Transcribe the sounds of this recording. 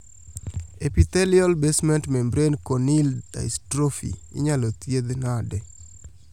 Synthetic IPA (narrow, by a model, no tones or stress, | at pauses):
epit̪ɛliɔlbesmɛntmɛmbɾenkonilda̰stɾofḭɪ̰ɲalot̪jed̪nadɛ